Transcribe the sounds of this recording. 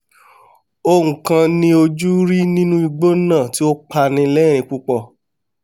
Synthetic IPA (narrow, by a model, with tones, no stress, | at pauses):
o˧ŋũ˨kã˧nĩ˧˦o˧d͡ʒu˦ɾi˦nĩ˦nũ˦i˧ɡ͡bo˦nã˦˨ti˦o˦k͡pa˧nĩ˧lɛ˦ɾ̃ĩ˧k͡pu˦k͡pɔ˧˨